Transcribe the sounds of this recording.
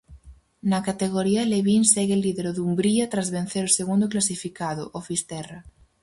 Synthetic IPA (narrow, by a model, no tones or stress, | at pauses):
nakat̪eɣ̞oɾialeβinseɣeelːiðeɾoðumbɾiat̪ɾazβen̟θeɾoseɣund̪oklasifikaðo̰ʔofist̪ɛra